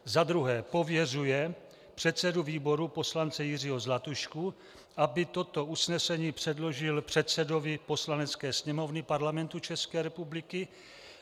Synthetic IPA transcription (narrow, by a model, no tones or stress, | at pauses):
zad̪ɾuɦɛːpo̞vjɛrujɛ | pr̝̥ɛt̪t͡sɛduviːbo̞ɾupo̞slant͡sɛjɪr̝ɪɦozlat̪uʃku | ʔabɪt̪o̞t̪o̞ʔusnɛsɛɲiːpr̥ɛdlo̞ʒɪlpr̥ɛt̪sɛdo̞vɪpo̞slanɛt͡skɛːsɲɛmo̞vnɪpaɾlamɛnt̪ut͡ʃɛskɛːɾɛpublɪkɪ